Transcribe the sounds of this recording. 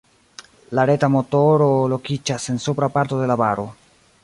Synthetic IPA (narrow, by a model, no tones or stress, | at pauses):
laɾetamotoɾolo̞kid͡ʒase̞nsupɾapaɾt̪od̪e̞labaɾo̞